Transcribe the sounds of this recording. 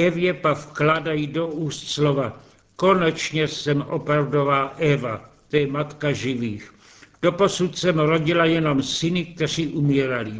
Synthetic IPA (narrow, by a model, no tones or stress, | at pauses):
ɛvjɛpakfklaːdajido̞uːst̪slova | ko̞nɛt͡ʃɲɛsɛmʔo̞pɾavdo̞vaːʔɛvat̪ojɛmat̪kaʒɪviːx | d̥o̞po̞sut̪sɛmɾo̞ɟɪlajɛno̞msɪnɪk̚t̪ɛr̝iːʔumiːɾali